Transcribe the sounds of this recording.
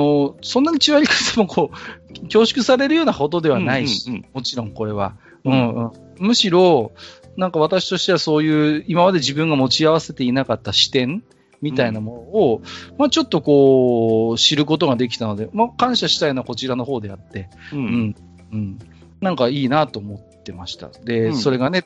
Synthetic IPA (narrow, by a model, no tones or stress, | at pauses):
osõ̞nːaɲ̟it͡ɕiɡaɾʲikḁt̪emokʰo̞ːkʲo̞ːɕi̥kɯ̟saɾe̞ɾɯjo̞ːnako̞t̪̬o̞d̪e̞βanaiɕii̥mo̞t͡ɕiɾõ̞ŋko̞ɾe̞βa̰ | ɯ̟̃ɴɯ̟̃ | mɯ̟ɕiɾo̞ | nãŋkaβ̞at̪aɕi̥t̪o̞ɕi̥t̪e̞βaso̞ːjɯ̟ːimamad̪e̞ʑibɯ̟̃ŋɡamo̞t͡ɕiaβase̞t̪e̞inakat̪ːaɕi̥t̪ẽ̞m | mʲit̪ainamo̞no̞ːmat͡ɕo̞t̪ːo̞ko̞ː | ɕiɾɯ̟k̬o̞t̪̬o̞ɡad̪e̞k̬ʲi̥t̪ano̞d̪e̞makãɰ̃ɕaɕi̥t̪ajoːnako̞t͡ɕiɾano̞ɦo̞ːd̪e̞at̪ːe̞ɯ̟̃ɴ | ɯ̟̃ɴ | nãŋkaiːnat̪o̞ːmo̞t̪ːe̞maɕi̥t̪a̰d̪e̞so̞ɾe̞ɡane̞